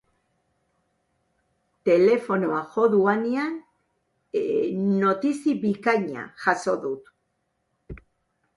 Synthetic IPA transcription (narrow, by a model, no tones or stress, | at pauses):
t̪e̞le̞fo̞noaxo̞ðuanean | o̞t̪isiβikajɲa̰ʝaso̞ðut̪